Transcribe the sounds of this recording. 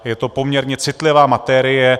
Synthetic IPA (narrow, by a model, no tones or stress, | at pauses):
jɛt̪o̞po̞mɲɛɾɲɛt͡sɪt̪lɪvaːmat̪ɛɾɪjɛ